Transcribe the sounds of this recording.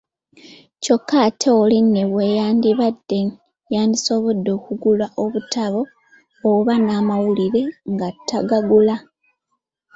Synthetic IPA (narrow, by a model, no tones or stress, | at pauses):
co̞kːatʰeolinːeβwejaːndiβadːe | jaːndiso̞βodːo̞ːkuɡulwaʔo̞βutaβo̞ː | βanaːmawuliɾe̞ŋɡatːaɡaɡula